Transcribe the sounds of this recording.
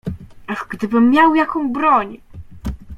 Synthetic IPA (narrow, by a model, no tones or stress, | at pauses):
aʐɡd̪ɘbɘmːjawjakɔ̃w̃bɾɔɲ